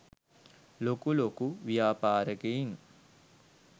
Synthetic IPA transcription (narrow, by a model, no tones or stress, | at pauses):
lokulokuʋijaːpaːɾəɡejiŋ